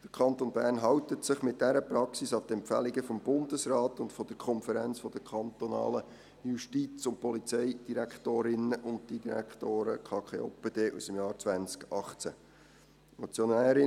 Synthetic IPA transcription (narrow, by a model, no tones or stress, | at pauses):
d̥əɾkʰɑnt̪onbæːɾnɦɑwtətsɪχmɪt̚d̥æɾəprɑksisɑt̪ɛmpfæ̰liɡəfɔmb̥ʊndəsrɑːt̪ʊntfɔd̥əɾkʰɔnfəɾænt͡sfɔd̥̪əɾkʰɑnt̪onɑ̰ːlə | juʃtit͡sʊnt̚pɔlit͡sɛjd̥iɾækχt̪oːɾɪnəʔʊnd̚d̥idiɾæ̰kχt̪oːɾə̰kʰɑːkχeopəd̥̪eːʔusəmjɑːɾt͡sʋænt͡skɑχt͡sæ | mot͡sjonæːɾɪ